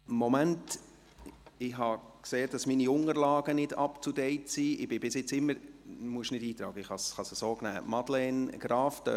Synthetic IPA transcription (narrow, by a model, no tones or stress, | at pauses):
mɔmænt | ɪɦɑkseːd̥ɑsminiʊŋəɾlɑːɡ̥ənɪdɑ̰pt͡sudɛɪtsiʔɪb̥ɪb̥ɪsɪt͡sɪmːəɾmuəʃnɪdiːt̪ɾɑːɡəɪχhɑsχɑsəsoːknæːmɑd̥lɛnɡ̥ɾɑːftə̰